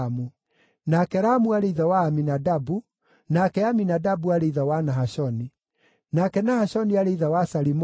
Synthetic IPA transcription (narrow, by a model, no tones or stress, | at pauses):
mu | nakɛɾamuaɾeiðawaːminadabu | nakɛaminadabuaɾeiðawanaɦaʃɔni | nakɛnahaɕɔniaɾeiðawasaɾim